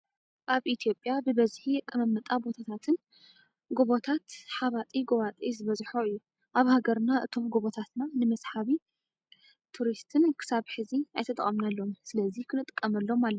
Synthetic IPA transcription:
ʔaβʔit̪ʰijo̞pʼjabɨbɐzħikʼːɐmɐmːɐt̪ʼabo̞t̪ʰat̪ʰat̪ʰɨn | ɡoβot̪ʰat̪ħaβat̪ʼiɡoβat̪ʼizɨβɐzħoɨjːu | ʔaβhaɡɐɾnaʔɨt̪ʰo̞mɡoβot̪ʰat̪nanɨmɐsħaβi | t̪ʰuɾist̪ʰɨnkʰɨ̥saβħɨzia̰jt̪ʰɐt̪ʼɐ̰χʼɐmnalːo̞msɨlɐzikʰɨnɨt̪ʼɨkʼːɐmɐlːo̞malːɐ

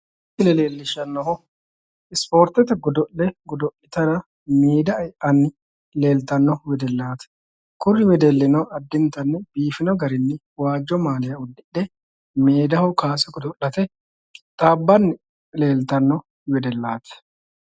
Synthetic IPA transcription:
ɪlɛleːlːɪʃːɐnːɔɦɔ | ɪspo̞ːɾt̪ɛt̪ɛɡɔd̪ɔʔlɛɡɔd̪ɔʔɪt̪ɐnɐ | miːd̪ɐɐjʔɐnːɪ | le̞ːlt̪ɐnːɔwɛd̪ɛlːaːt̪ɐ̥ | kʊrːɪwɛd̪ɛlːɪnɔɐd̪ːɪnt̪ɐnːɛbiːfɪnɔɡɐɾɪnːɪ | waːd͡ʒːɔmaːlɪjɐʊd̪ːɪᶑɛ | meːd̪ɐhʊkaːsɛɡɔd̪ɔʔːɐt̪ɛ | t̪ʼaːbːɐnːɪ | le̞ːlt̪ɐnːɔ | wɛd̪ɛlːaːt̪ɐ̥

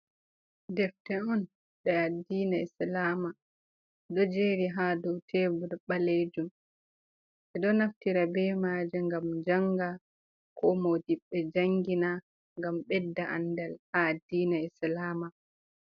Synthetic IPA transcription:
dɛftɛɔn | ɓɛadiːnaislaːma | dɔd͡ʒeːɾiɦadɔwtʰɛbuɾɓaled͡ʒum | ɓɛɗɔnaftiɾabɛmaːd͡ʒɛŋɡamd͡ʒaŋɡa | kʰɔmodiɓːɛd͡ʒaŋɡina | ŋɡamɓɛdːaʔa̰ndalhaːdiːnaislaːma

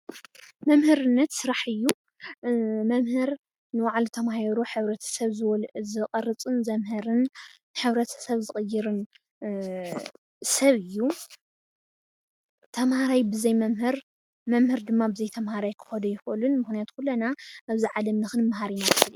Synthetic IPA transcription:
mɐmhɨɾɨnːɐt̪sɨɾaħɨjːu | mɐmhɨɾ | nɨwaʕlt̪ʰɐmahiɾuħɨβɾɐt̪ʰɐ̥sɐβzɨwɔlʔzɨqʼɐrɨt͡sʼɨnzɐmɦɨɾɨn | ħɨβɾɐt̪ʰɐ̥sɐβzɨχʼɨjːɪɾɨn | sɐβɨjːu | t̪ʰɐmhaɾajbɨzɐjmɐmhɨɾ | mɐmhɨɾd̪ɨmːabɨzɐjt̪ʰɐmhaɾajkʰɨ̥xɐd̪ɐjɪxʔɨlɨnmɨxnijat̪kʰulːɐnaʔaβziʕalɐmnɨxɨnmɦaɾinakʰɨl

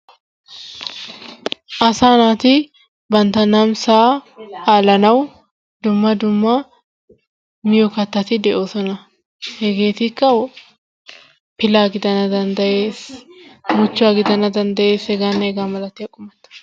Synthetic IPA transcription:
ʔɐsaːnaːt̪ɪ | bɐnt̪ɐnɐmsaːaːlɐnɐw | d̪ʊmːɐd̪ʊmːɐ | mɪjɔkɐt̪ːɐt̪ɪd̪ɛʔoːsɔnɐ | hɛɡeːt̪ɪkːɐw | pɪlaːɡɪd̪ɐnɐd̪ɐnd̪ɐʔeːs | mʊt͡ʃːaːɡɪd̪ɐnɐd̪ɐnd̪ɐʔe̞ːsɛɡanːɐɛɡaːmɐlɐt̪ːɪɐkʼːʊmɐt̪ɐ̥

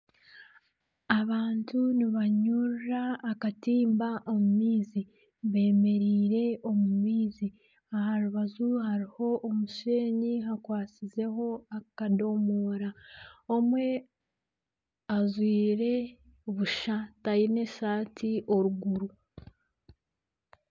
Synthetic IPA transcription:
aβaːntuniβaɲuɾaːkatiːmbaʔomumiːzi | βe̞ːme̞ɾiːɾe̞o̞mumiːzi | ahaɾuβazuhaɾiho̞ʔomuʃe̞ːɲiɦakwaːt͡size̞ɦo̞akado̞moːɾaomwe̞ | azwiːɾe̞ | oβuʃatajine̞saːtʰiʔo̞ɾuɡuɾu

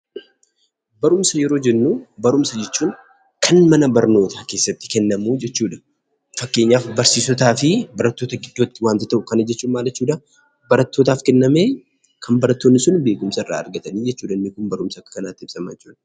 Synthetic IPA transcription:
bɐɾʊmsɐjɛɾo̞ːd͡ʒɛnːuːbɐɾʊmsɐd͡ʒɛt͡ʃːuːn | kʰɐnmɐnɐbɐɾno̞ːt̪ʰaːke̞ːsːɐt̪ːɪ̥kɛnːɐmuːd͡ʒɛt͡ʃːuːᶑɐ̥ | fɐkːe̞ːɲːaːfbɐɾsiːsɔt̪aːfɪbɐɾɐt̪ːo̞ːt̪ɐɡɪd̪ːoːt̪ːɪwaːnt̪ɪt̪ɐʔʊkɐnɐd͡ʒɛt͡ʃːuːnmaːlɛt͡ʃːuːᶑɐ | bɐɾɐt̪ːo̞ːt̪aːfkɛnːɐmeː | kʰɐnbɐɾɐt̪ːoːnːɪsʊnbe̞ːɡʊmsɐɪrːa̰ːɐ̰ɾɡɐt̪ɐniːd͡ʒɛt͡ʃːuːᶑɐnːɪkʊmbɐɾʊmsɐkːɐkɐnaːt̪ːɪɪbsɐmaɛt͡ʃːuːᶑɐ̥

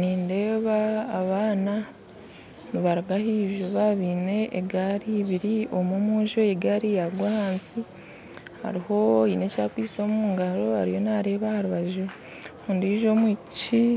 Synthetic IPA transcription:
niːnde̞ːβaːβaːna | niβaɾaɡahiːʒuβaβiːne̞eɡaɾiβiɾio̞momuːʒoeɡaɾijaɡwahaːnsi | ha̰ɾiho̞iːne̞caːkwiːso̞ːmumuːŋɡaɾo̞ha̰ɾijo̞naɾe̞ːβahaɾuβaʒu | ondiːʒo̞mwiːci

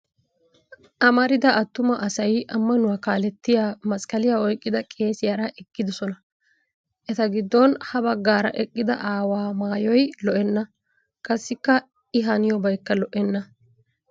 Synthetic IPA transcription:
ʔɐmɐɾɪd̪ɐʔɐt̪ːʊmɐʔɐsɐjɐmːɐnʊwakaːlɛt̪ːɪjaːmɐsʼkʼɐlɪjaɔjkʼːɪd̪ɐkʼe̞ːsɪjɐɾaʔɛkːɪd̪ɔsɔnɐ | ʔɛt̪ɐɡɪd̪ːɔnhɐbɐɡːaːɾɐ̰ʔɛkʼːɪd̪ɐ̰ʔaːwaːmaːjɔjlɔʔɛnːɐ | kʼɐsːɪkːɐ | ɪɦɐnɪjɔbɐjkːɐlɔʔɛnːɐ

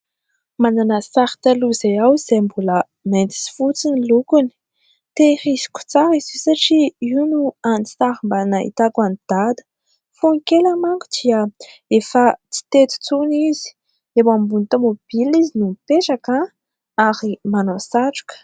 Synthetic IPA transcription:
mananəsaɾi̥t̪aluzejawz̥embulə | nent̪i̥si̥fut͡sinilukuni̥ | t̪ehisi̥ku̥t͡saɾizisaʈ͡ʂiinuant̪aɾimbanaḭt̪akanid̪̥ad̪ə̥ | funikeləmaŋkud̪̥iə | efət͡si̥t̪et̪u̥t͡sunizi̥ | emambunit̪amob̥ilizinumpeʈ͡ʂaka | aɾimanosaʈ͡ʂu̥kə̥

